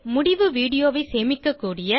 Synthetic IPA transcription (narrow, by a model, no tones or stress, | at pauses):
mʊɽɪʋɯʋiːɽɪjoːʋɐɪseːmɪkːɐkːuːɽɪjɐ